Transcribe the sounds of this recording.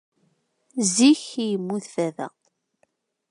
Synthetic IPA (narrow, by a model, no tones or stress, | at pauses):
ziçjəmːuθfæðæ̰